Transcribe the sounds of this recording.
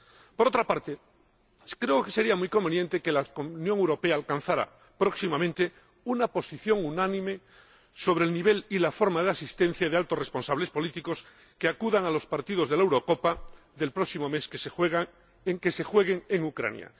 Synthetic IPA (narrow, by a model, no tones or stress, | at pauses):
poɾo̞t̪ɾapaɾt̪e | kɾeokese̞ɾiamujko̞mbe̞njent̪e̞kelakonjõŋewɾo̞pe̞aːlkanθaɾa̰ | pɾoksimamẽnt̪e̞ | unapo̞siθjo̞ŋunanĩme̞ | so̞β̞ɾelniβ̞e̞lilafo̞ɾmaðeasist̪e̞n̟θjað̞ealt̪ore̞spo̞nsaβ̞le̞spo̞lit̪iko̞s | keakuðaŋalo̞spaɾt̪ið̞o̞zðe̞laewɾoko̞pa | ðe̞lpɾoksimo̞me̞skeseeɣa | eŋke̞se̞xwe̞ɣ̞eŋeŋukɾa̰nj̰a̰